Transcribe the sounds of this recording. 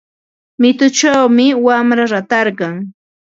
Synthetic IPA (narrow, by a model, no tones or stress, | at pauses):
mɪt̪ʊt͡ʃawmɪwamɾaɾat̪ɑɾɢɑŋ